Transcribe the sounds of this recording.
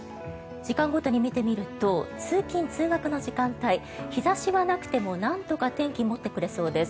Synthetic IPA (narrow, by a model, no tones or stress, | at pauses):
d͡ʑikãŋɡo̞t̪o̞ɲ̟imʲit̪e̞mʲiɾɯ̟t̪o̞t͡sɨːkʲĩnt͡sɨːɡakɯ̟no̞ʑikãnt̪ai | çizaɕiβanakɯ̟̥t̪e̞mo̞nãnt̪o̞kat̪ẽ̞ŋkʲimo̞t̪ːe̞kɯ̟ɾe̞so̞ːd̪e̞s